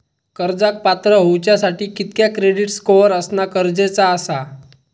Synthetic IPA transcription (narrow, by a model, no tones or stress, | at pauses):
kəɾd͡zak̚pat̪ɾəɦowt͡ɕjasaʈiːkit̪̚kjakɾeɽiʈskoʋəɾəsnakəɾd͡zet͡saəsa